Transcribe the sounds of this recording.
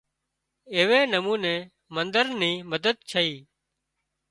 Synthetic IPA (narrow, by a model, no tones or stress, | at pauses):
eːʋeːnəmũːnẽː | mənd̪əɾniːməd̪əd̪̚t͡ʃʰəiː